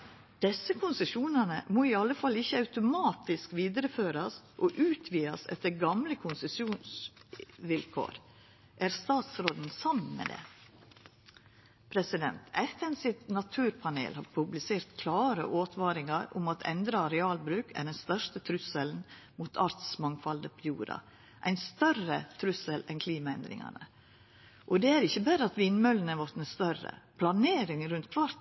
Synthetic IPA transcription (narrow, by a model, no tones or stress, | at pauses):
d̪̥ɛsːəkʰʊnsəʃuːnənəmoːiːɑlːəfɑlɪçːəɑʉt̪ʊmɑːt̪ɪskʋiːd̪əɾəføːɾɑsʔɔʔʉːt̪ʰʋiːɑsɛ̰t̪ːəɾɡɑmləkʰʊnsəsjuːns | ʋɪlkʰo̰ːɾ | ʔæɾst̪ɑːt̪sɾoːd̪n̩sɑmn̩mḛːd̪ḛː | pʰɾɛsɪd̪ɛ̰nt̪ɛt̪ːɛnsɪt̪nɑt̪ʰʉːɾpʰɑnḛːlhɑ̰ɾpʰʉblɪseːɾt̪kʰlɑːɾə̰ʔoːt̪ʰʋɑːɾɪŋɑɾʊ̰mɑt̪ʰɛnd̪ɾɑɾɛɑːlbɾʉːkʰæ̰ɖɛnst̪œʂtət̪ʰɾʉsəln̩ | muːt̪ʰɑɾt̪smɑŋfɑld̪əpʰɔjṵːɾɑ̰ | ʔæɪnst̪œrət̪ʰɾʉsəlɛnkʰliːmɑɛnd̪ɾɪ̰ŋɑ̰nə̰ | ʔɔd̪ɛæɾɪçːəbæɾəɑt̪ʋɪnmœlənæʋɔɾt̪nəst̪œɾə̰pʰlɑneːɾɪŋɾʉnt̪kʰʋɑɾt̪